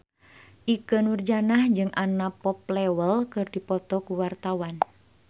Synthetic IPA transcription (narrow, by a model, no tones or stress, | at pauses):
ʔikənurd͡ʒanahɲd͡ʒɨŋʔanapɔp̚lɛwəlkɨrdipɔt̪ɔkuwart̪awan